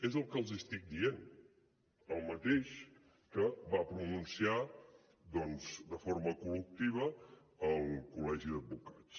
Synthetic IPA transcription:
ezəlˠkəlˠzəst̪ik̚d̪ien | əlˠmət̪eʃ | kəβapɾununsia | d̪ɔnzd̪əfoɾməkulək̚t̪iβə | əlˠkulɛʒiðəd̪̚bukat͡s

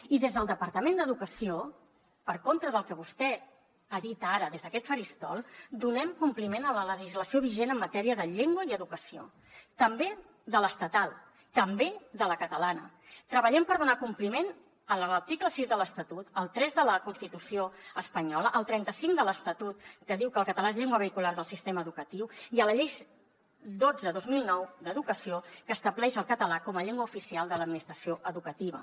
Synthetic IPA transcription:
iðezðəlˠd̪əpəɾt̪əmend̪əðukəsio | pəɾkont̪ɾəðəlˠkəβust̪ɛ | aðit̪aɾəðezðəkɛt̪fəɾist̪ɔlˠd̪unɛmkumplimenələləʒizləsioβiʒenəmːət̪ɛɾiəðəʎeŋɡwəiəðukəsio̰ | t̪əmbe | ðələst̪ət̪alˠ | t̪əmbeðələkət̪əlanə | t̪ɾəβəʎɛmpəɾðunakumplimen | ənlələɾt̪ikləsizðələst̪ət̪ut̪əlˠt̪ɾɛzðələkunst̪it̪usioəspəɲɔləʔəlˠt̪ɾɛnt̪əsiŋd̪ələst̪ət̪ut̪̚kəðiwkəlˠkət̪əlaezʎeŋɡwəβ̞əikulaɾðəlˠsist̪eməːðukət̪iwiələʎejs | d̪od͡zəðozmilˠnɔwd̪əðukəsiokəːst̪əβlɛʃəlˠkət̪əlakɔməʎeŋɡwəufisialˠd̪ələd̪minist̪ɾəsioʔəðukət̪iβ̞ə̰

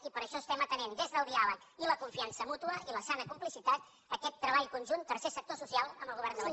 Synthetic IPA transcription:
ipəɾəʃɔst̪ɛmət̪ənend̪ezðəwɾiaβə | iləkuɱfiansəmut̪uəʔiləsanəkumplisit̪at̪ | əkɛt̪ːɾəβaʎkunʲʒunt̪ərsesək̚t̪osusialˠəmbəlˠɣuβɛɾrnd̪əə

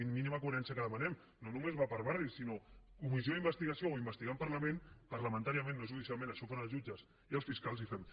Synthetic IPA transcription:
minimakuəɾɛnsijəkəðəmənɛm | nonumezβapəɾβarisinokumizjoimbəst̪iɣɐsiooimbəst̪iɣampəɾləmẽnpəɾləmə̃nt̪aɾiamẽnːoʒuðisialˠmẽnəʃɔfanəlˠzʒud͡ʒəs | iəlˠsfiskalˠzifɛm

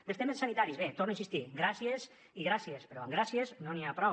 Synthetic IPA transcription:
d̪elst̪emesːanit̪aɾizβet̪oɾnoĩnsist̪iɡɾasiez | iɣɾasiespeɾɔaŋɡɾasieznoniapɾɔ

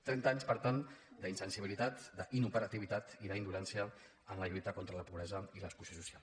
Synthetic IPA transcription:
t̪ɾɛnt̪aɲspəɾt̪and̪əinsənsiβilit̪at̪d̪əʔinupəɾət̪iβ̞it̪at̪iðəind̪ulɛnsiə | ənləjit̪əkɔnt̪ɾələpuβɾɛzəiləskusjosusia̰lˠ

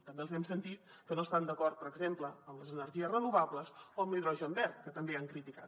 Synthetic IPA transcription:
t̪əmbelˠzɛmsənt̪it̪ | kənoəst̪and̪əkɔrt̪̚pəɾəɡzempləəmləzənərʒiəsrənuβ̞abləzoəmliðɾɔʒəːmbɛrt̪kət̪əmbeaŋkɾit̪ikat̪

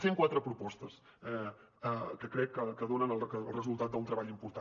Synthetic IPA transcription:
seŋkwat̪ɾəpɾupɔst̪əsɛ | əkəkɾɛkːəkəðonənələlˠrəzulˠt̪at̪̚d̪əunt̪ɾəβaʎimpuɾt̪a

